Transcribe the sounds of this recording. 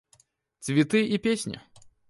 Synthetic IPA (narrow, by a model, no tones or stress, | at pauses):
t̪svʲɪt̪ɨipʲesʲnʲɪ̰